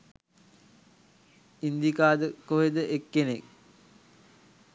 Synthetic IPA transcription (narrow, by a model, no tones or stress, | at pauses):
ind̪ikaːd̪əkoɦed̪əʔekːenek̚